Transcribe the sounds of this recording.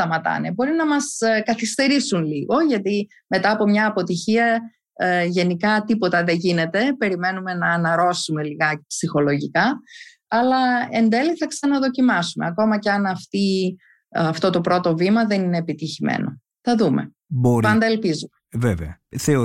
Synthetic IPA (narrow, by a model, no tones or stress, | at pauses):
st̪ɐmɐt̪ɐ̰nebo̞ɾinɐmɐskɐθist̪e̞ɾisunliɣo̞ʝɐt̪i | me̞t̪ɐːpo̞mɲɐːpo̞t̪içiɐ | ʝe̞nikɐt̪ipo̞t̪ɐðeʝine̞t̪e̞pe̞ɾime̞nume̞nɐːnɐɾo̞sume̞liɣɐpsixo̞lo̞ʝikɐ | ɐlɐe̞nd̪e̞liθɐksɐnɐðo̞cimɐsume̞̰ɐko̞mɐceɐnɐft̪i | ɐft̪o̞t̪o̞pɾo̞t̪o̞vimɐðe̞nineːpit̪içimḛno̞̰ | θɐðume̞̰ | bopɐnd̪ɐelpizumeveveɐθeo